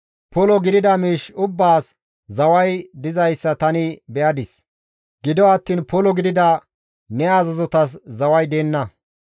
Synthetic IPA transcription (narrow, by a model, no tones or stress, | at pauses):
pɔlɔɡɪd̪ɪd̪ɐmiːʃʊbːaːs | zɐwɐjd̪ɪzɐjsːɐt̪ɐnɪbɛʔɐd̪ɪs | ɡ̥ɪd̪ɔɐt̪ːiːnpɔlɔɡɪd̪ɪd̪ɐ | nɛaːzɐzɔt̪ɐs̬zɐwɐjd̪eːnːɐ